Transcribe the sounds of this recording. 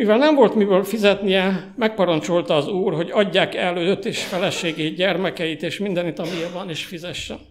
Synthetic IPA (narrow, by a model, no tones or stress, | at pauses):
mivɛlnɛɱvo̞lt̪mibøːlfizɛt̪nijɛ | mɛk̚pɒɾɒnt͡ʃolt̪ɒːzuːrɦo̞ɟɒɟːaːkɛlːøːd̪øt̪ːeːʃfɛlɛʃeːɡeːɟɛrmɛkɛjit̪eːʃmind̪ɛnit̪ɒmijɛvɒneːʃfizɛʃːɛ̰n